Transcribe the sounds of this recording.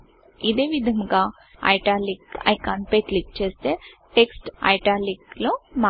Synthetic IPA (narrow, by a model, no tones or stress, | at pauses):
id̪e̞ːʋid̪ʱɐŋɡaː | ɐ̰jʈaːlikɐ̰jkaːɳpek̪lik̚t͡ʃe̞ːst̪e̞ːʈeksʈɐ̰jʈaːlikloːma